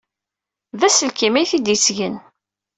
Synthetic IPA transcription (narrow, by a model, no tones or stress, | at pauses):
ðæsəlkimæjθid̪jəsʝən